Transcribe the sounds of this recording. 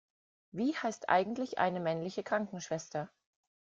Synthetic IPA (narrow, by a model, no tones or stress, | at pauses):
viːhaɪstʔa̰ɪɡŋ̩tlɪçʔa̰ɪnəmɛnlɪçəkʁ̥aŋkŋ̩ʃv̥ɛstɐ